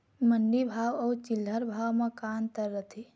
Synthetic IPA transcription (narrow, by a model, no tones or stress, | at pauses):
mənɖibʱawəut͡ʃilːəɾbʱawmekant̪əɾːət̪ʰi